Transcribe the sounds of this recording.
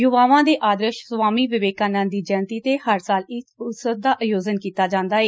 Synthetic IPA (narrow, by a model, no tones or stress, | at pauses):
jʊʋaːʋãːd̪eːʔaːd̪ɾəʃsʋaːmiːʋɪʋeːkãːnãːd̪iːd͡ʒəːnt̪iːt̪eːhəɾsaːlɪsʊsəd̪aːʔəjoːzənkiːt̪aːd͡ʒãːnd̪aːeː